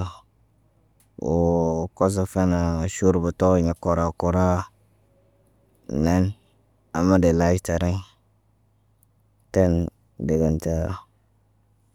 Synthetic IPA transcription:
wo˨ko˦s̬a˨fe˦na˨ʃu˦ɾbu˨to˦˨ɲa˨ko˨ɾa˨ko˨ɾa˦˨ | na˦n | a˨mːa˦de˨la˦i˦ta˨ɾa˦ | te˦n | de˨ɡa˨nta˦˨

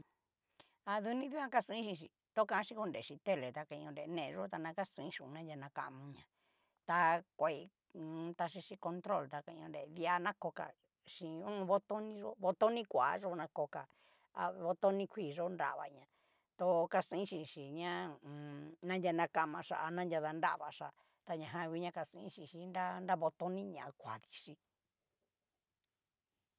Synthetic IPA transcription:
a˧ðu˧nĩ˦ðju˦ã˦ka˦sũ˧ĩ˦ʃĩ˧ʃ̬i˧ | t̪o˦kã˧˦˧ʃĩ˧ko˧nde˨ʃĩ˧t̪e˦˨le˨t̪a˧ka˧ĩ˧õ˧nɾe˧˨˧nẽ˦˧ʐo˦t̪a˧nã˧ka˦sũ˧ĩ˦ʃũ˧˨˧nã˦ja˧nã˧ka̰˧ʔmũ˧ɲã˧ | t̪a˧kʷa˨i˧ | t̪a˧ʃ̬i˧ʃi˧ko˧nt̪ɾo˦˨lt̪a˧ka˧ĩ˧õ˧ndḛ˨ði˧˦a˧nã˦ko˧ka̰˨ | ʃĩ˨ũ˦˧βo˧t̪o˦nĩ˧ʐo̰˦βo˧t̪o˦nĩ˦kʷa˨˦ʐo˦nã˧ko˧ka˨ | a˨βo˧t̪o˦nĩ˦˧kʷiː˦˨ʐo˦nda̰˧ʔβa̰˨˧ɲã˧ | t̪o˧ka˧sĩ˦ʃĩ˧˨ʃi˨ɲã˦˨ | nã˦ndʲa˧nã˧ka˧mã˧ʂa̰˧˨a˧nã˦nd̪ʲja˧ða˧nda̰˦ʔβa̰˨ʂa˨ | t̪a˧ɲã˨ɦã˧kʷi˧˦ɲã˧ka˧sĩ˧ĩ˦ʃĩ˧˨ʃi˧nda˦nda˦βo˧t̪o˦nĩ˦ɲã˨˧kʷa˨ði̥˧ʂi˧

